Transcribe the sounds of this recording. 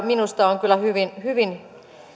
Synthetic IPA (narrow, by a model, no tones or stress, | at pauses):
minust̪ɑoŋkylːˑæhyʋinhyʋin